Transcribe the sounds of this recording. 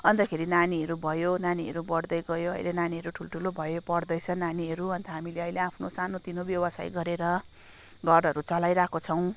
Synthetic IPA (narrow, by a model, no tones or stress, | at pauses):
ʌnt̪ʌkʰeɾinaniɦʌɾubʱʌjonaniɦʌ̰ɾubʌɽd̪ʌjɡʌjoʌ̰jlenaniɦʌɾuʈʰulʈʰulobʱʌjopʌɽd̪ʌjt͡sʰʌnaniɦʌɾuʌnt̪ʰʌɦamileʌjleapʰnosanot̪inobjʌwʌsa̰jɡʌɾeɾʌ | ɡʱʌɾʌɾut͡sʌlajɾakot͡sʰʌw̃